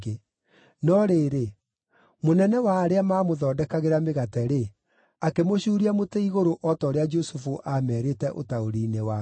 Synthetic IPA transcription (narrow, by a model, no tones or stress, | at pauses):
e | nɔɾeːɾe | monɛnɛwaːɾeamaːmoðɔːdɛkaɣeɾameɣatɛɾe | akemoɕuːɾiamotɛiɣoɾoʔɔtɔːɾead͡ʒosufuʔamɛːɾetɛʔo̰taoɾiːnewa